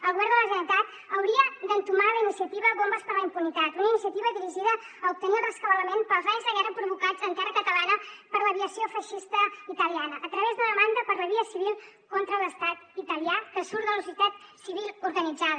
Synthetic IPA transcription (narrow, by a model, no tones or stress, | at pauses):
əlˠɣuβɛɾðələʒənit̪at̪ | əwɾiəd̪ənt̪umaləinisiət̪iβəɣombəspəɾləimpunit̪at̪unəinisiət̪iβəðiɾiʒiðəː | up̚t̪ənilrəskəβələmenpəlˠzajzðəɣɛrəpɾuβukad͡zənt̪ɛrəkət̪əlanəpəɾləβiəsiofəʃist̪əit̪əlianəʔːt̪ɾəβezðəðəmand̪əpəɾləβiəsiβilˠ | kont̪ɾələst̪at̪it̪əliakəsuɾðələs̬uit̪at̪siβilˠuɾɣənid͡zaðə